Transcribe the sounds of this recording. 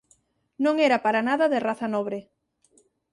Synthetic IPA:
nõŋeɾapaɾanaðaðeraθanɔβ̞ɾe

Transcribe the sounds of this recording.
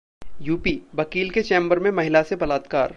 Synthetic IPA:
juːpiʋɐkiːlket͡ʃẽːmbəɾmẽmɐɦɪlasebɐlaːt̪kaːɾ

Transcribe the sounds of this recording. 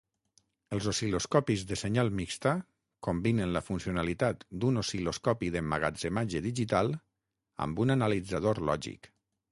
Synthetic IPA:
əlˠzosiloskɔpizðəseɲalˠmikst̪a | kombinənləfunsionalit̪at̪d̪unosiloskɔpiðəmaɣa̰d͡zemad͡ʒəðiʒit̪alˠ | a̰mbunanalid͡zað̞oɾlɔʒḭk

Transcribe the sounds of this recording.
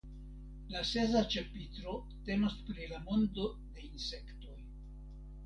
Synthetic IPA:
lase̞zat͡ʃe̞pitɾo̞ | te̞no̞spɾilamo̞ndo̞ | de̞inse̞kto̞j

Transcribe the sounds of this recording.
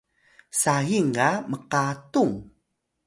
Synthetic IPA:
sajiŋaməqatuŋ

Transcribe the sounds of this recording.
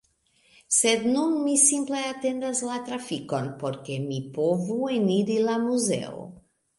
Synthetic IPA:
se̞d̪nunmisimple̞ate̞ndaslat̪ɾafiko̞npo̞ɾke̞mipo̞vueniɾilamuze̞̰o̰

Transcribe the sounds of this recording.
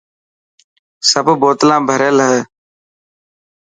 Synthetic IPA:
səbboːt̪lãːbʱəɾelɦɛː

